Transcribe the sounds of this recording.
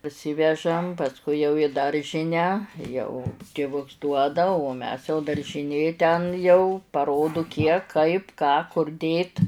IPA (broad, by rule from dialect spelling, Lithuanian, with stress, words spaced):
pɐrʲˈsʲɪʋʲɛʒɐm pɐsˈkʊɪ jɛʊ ɪ ˈdɐrʲʒʲɪnʲæː ˈjɛʊ tʲɪˈʋʊks ˈduɔdɐ oː ˈmʲɛs jɛʊ dɐrʲʒʲɪˈnʲeː tʲɛn jɛʊ pɐˈroːdʊ ˈkʲiɛk ˈkɐɪp ˈkɑː kʊr ˈdʲeːt